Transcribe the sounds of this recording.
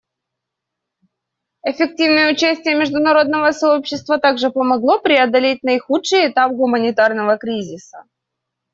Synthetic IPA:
ɪfʲɪk̚tʲivnɨjəʊt͡ɕæsʲtʲɪjəmʲɪʐd̪ʊnɐɾo̞d̪̚nəvəsɐopɕːɪst̪vət̪aɡʐɨpəmɐɡlˠo̞pɾʲɪɐd̪ɐlʲet̚ʲnɐɪxutʂɨjɪt̪ap̚ɡʊmənʲɪt̪arnəvəkɾʲizʲɪsə̥̰

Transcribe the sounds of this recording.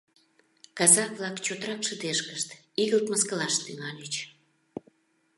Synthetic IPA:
kɑzɑk̚βlɑkt͡ɕot̪əɾɑkʃəd̪eʃkəʃt̪ | iɣəlt̪məskəlɑʃt̪yŋɑlʲet͡ɕ

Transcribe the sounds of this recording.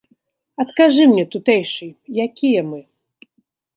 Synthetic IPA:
ɐt̪kaʐɨmnʲɛt̪ut̪ɛjʂɨjjakʲʰijɛmɨ

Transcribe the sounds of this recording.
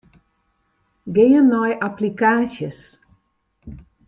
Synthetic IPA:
ɡejənnɔjaplikaːsjəs

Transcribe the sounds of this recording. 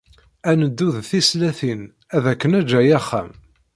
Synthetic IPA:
ænəd̪ːuðθislæθin | æðækːənæd͡ʒːæjæχːæ̰m

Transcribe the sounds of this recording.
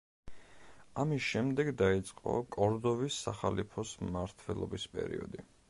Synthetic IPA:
amisʃɛmd̪ɛɡd̪ait̪sʼqʼɔ̰kʼɔɾd̪ɔvisːaχalipʰɔsmmaɾt̪ʰwɛlˠɔbispʼɛ̰ɾḭɔd̪i

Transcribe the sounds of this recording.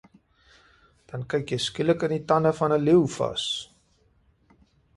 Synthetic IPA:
d̥ɐnkɛjkjəjskiləkənitɐnəfɐnəliwfɐ̰s

